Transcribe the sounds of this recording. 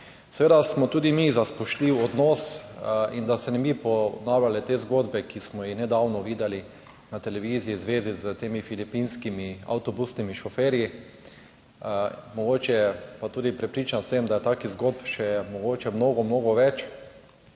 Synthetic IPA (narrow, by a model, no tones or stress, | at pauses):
sɛʋeːd̪asmɔt̪uːd̪imizaspɔʃtliwɔd̪nɔsind̪asɛnɛbipɔnaːwlʲalɛt̪eːzɡoːd̪bɛkismɔjixnɛd̪awnɔʋiːd̪ɛli | nat̪ɛlɛʋizijizʋeːzizət̪eːmifilipinskimia̰wt̪ɔbusnimiʃɔfeːɾji | mɔɡoːt͡ʃɛɛpat̪uːd̪ipɾɛpɾiːt͡ʃansəmd̪ajɛt̪aːkizɡod̪̚pʃɛmɔɡoːt͡ʃɛmnoːɡɔmnoːɡɔʋɛt͡ʃ